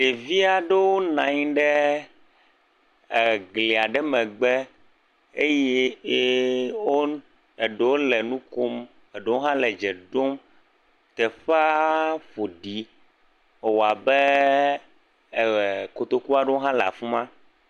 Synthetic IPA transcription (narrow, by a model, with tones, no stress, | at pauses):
ɖe˨vi˦a˨ɖɛ˦wo˦nã˨ɲĩ˦ɖɛ˦˨ | ɡle˨a˨ɖɛ˦mɛ̃˨ɡ͡bɛ˦ | e˦je˦ | wo˦ | e˨ɖɛ˨wo˦lɛ˨nũ˦ko˦m | ɛ˨ɖe˨wo˦ɦã˦lɛ˨d͡ʒɛ˨ɖo˦m | t̪ɛ˨ɸa˦ɸo˨ɖi˨˦˨ | wo˨a˨bɛ˦˨ | ko˨t̪o˨ku˦a˨ɖɛ˦wo˦ɦã˦la̰˨fu˦mã˦